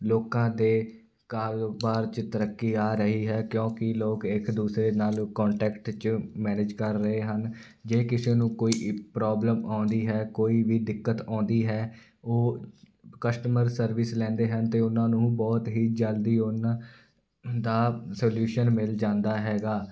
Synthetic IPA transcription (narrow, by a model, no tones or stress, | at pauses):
loːkãːd̪eː | kaːɾbaːɾt͡ʃt̪əɾəkːiːaːɾəɦiːɦɛːkjõːkɪloːkɪkd̪uːsɾeːnaːlkɔ̃ːɳʈɛːkʈt͡ʃmɛːneːd͡ʒkəɾːəɦeːɦən | d͡ʒeːkɪseːnũːkoːiːpɾɔːbləmãːnd̪iːɦɛːkoːiːʋiːd̪ɪkːət̪ãːnd̪iːɦɛː | oː | kəsʈəməɾsəɾʋɪslɛ̃ːnd̪eːɦənt̪eːʊnãːnũːbɔːt̪ɦiːd͡ʒəld̪iːʊnãː | d̪aːsoːljuːʃənmɪld͡ʒãːnd̪aːɦɛːɡaː